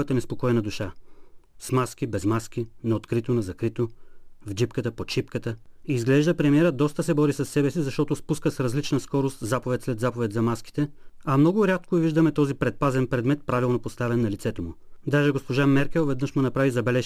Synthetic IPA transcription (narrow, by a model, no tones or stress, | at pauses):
ət̪ənɛspokɔɛnɐd̪uʃa | smask̟ibɛzmaskʲinɐot̪kɾit̪onɐzɐkɾit̪ovd͡ʒipkət̪əpoʃipkət̪əiːzɡlɛʒd̪əpɾɛmiɛɾəd̪ɔst̪əsɛbɔɾisɐsːɛbɛsizɐʃt̪ɔt̪ʊspuskəsɾɐzlit͡ʃnɐskɔɾost̪zapovɛt̪slɛd̪zapovɛt̪ʲzɐmaski̥t̪ɛɐmnɔɡʊɾʲat̪̚koɛviʒd̪ɐmɛt̪ɔzipɾɛt̪̚pazɛnpɾɛd̪mɛt̪̚pɾavilˠnopost̪avɛnːɐlit̪sɛt̪omʊd̪aʒɛɡospoʒamɛɾkʲɛlˠvɛd̪nəʃmunɐpɾavizɐbɛlɛʃ